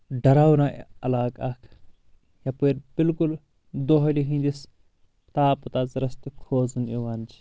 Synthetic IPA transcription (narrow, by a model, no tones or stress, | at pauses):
ɖɐɾaːwnaːʔɐ̰laːkaːkʰ | jaːpeːɾb̥ɪlkul | d̪oɦɐliɦĩnd̪is | t̪aːpɐt̪aːzɐɾɐst̪ukʰoːzunoʋaːnd͡ʒi